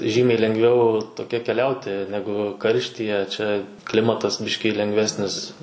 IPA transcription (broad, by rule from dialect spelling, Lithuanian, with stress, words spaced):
ˈʒʲiːmʲɛɪ lʲɛŋɡˈʋʲɛʊ toːˈkʲɛ kʲɛˈlʲɛʊtʲɪ ˈnʲæːɡʊ ˈkɐrʲʃʲtʲiːjɛ t͡ʃʲɛ ˈklʲɪmɐtɐs ˈbʲɪʃʲkʲiː lʲɛŋɡˈʋʲæːsʲnʲɪs